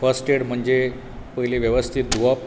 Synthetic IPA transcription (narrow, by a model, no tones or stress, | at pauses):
fəsʈeɽm̤əɳd͡ʑe | pəjliʋjeʋəst̪ʰit̪̚d̪uʋa